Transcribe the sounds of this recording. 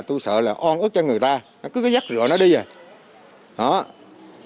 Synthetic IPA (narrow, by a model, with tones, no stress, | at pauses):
t̪u˧jsə̰ː˧˨laː˨˩ʔɔ˧nʔɨ˦˥k̚t͡ɕɔ˧ŋɨ˨˩əjt̪aː˧ | nɔ˨˦kɨ˨˦kaː˨˦za˦˥k̚zɨ̰˧˨ənɔ˨˦ɗi˧ze˨˩j | ɗɔ˨˦